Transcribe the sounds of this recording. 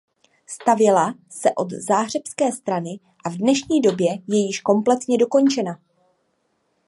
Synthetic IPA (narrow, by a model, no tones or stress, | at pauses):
st̪avjɛla | sɛʔo̞d̪zaːɦr̝ɛpskɛːst̪ɾanɪ | ʔavdnɛʃɲiːdo̞bjɛjɛjɪʃko̞mplɛt̪ɲɛdo̞ko̞nt͡ʃɛna